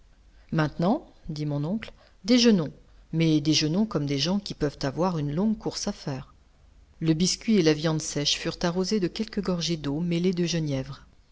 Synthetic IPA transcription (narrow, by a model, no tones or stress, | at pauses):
mɛ̃t̪nɑ̃d̪imɔ̃nɔ̃kl | d̪eʒənɔ̃ | mɛd̪eʒənɔ̃kɔmd̪eʒɑ̃kʲipœvt̪avwaʁynlɔ̃ɡkuʁsafɛːʁ | ləbiskʲɥielavjɑ̃d̪sɛʃfyʁt̪aʁozed̪əkʲɛlkəɡɔʁʒed̪omeled̪əʒənjɛvʁ